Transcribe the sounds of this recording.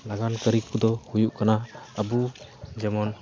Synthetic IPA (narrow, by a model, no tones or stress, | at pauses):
laɡankəɾip̚kud̪ɔhujuʔkanaəbud͡ʒɛmɔn